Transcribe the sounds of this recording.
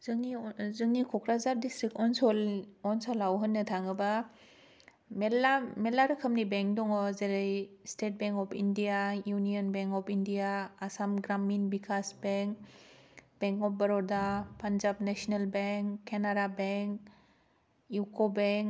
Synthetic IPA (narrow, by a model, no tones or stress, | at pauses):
zɯŋizɯŋnikʰɔkɾazaɾdistɾik̚tɔnsɔlɔnsɔlawɦɯnːɯtʰaŋɯba | melamelaɾɯkʰɐmnibeŋk̚dɔŋɔzeɾejstet̚beŋkɔpʰindijajuniɔnbeŋkɔpʰindijaːsamɡɾaminbikʰasbeŋk̚ | b̥eŋkɔp̚bɐɾɔdapanzabnesɔnelbeŋkːenaɾabeŋk | jukɔbeŋ